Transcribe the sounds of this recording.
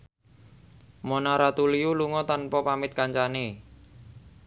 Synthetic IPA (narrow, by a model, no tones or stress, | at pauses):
monaɾat̪uliuluŋɔt̪anpɔpamɪt̪̚kaɲt͡ʃane